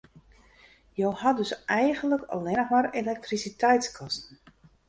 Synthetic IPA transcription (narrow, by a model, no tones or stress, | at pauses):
jowhadøsɛjɣənləkə̰lɪnəxmarelɛk̚trisitɛjtskʰɔstn̩